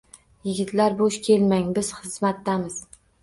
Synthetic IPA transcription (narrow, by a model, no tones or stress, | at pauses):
jɪɡʲɪt̪ʰlaɾboʃkʲʰe̞lmaŋbɪz̥χɨzmat̪ːamɪz̥